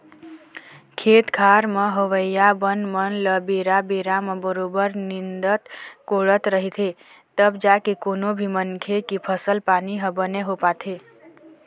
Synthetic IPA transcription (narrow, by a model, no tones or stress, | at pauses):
kʰet̪kʰaɾmeɦəʋəjabənmənləbeɾabeɾaməbəɾobəɾnind̪ət̪koɭət̪ɾəɦit̪ʰe | t̪əbd͡ʒakekonobʱimənkʰekipʰəsəlpaniɦəbəneɦopat̪ʰe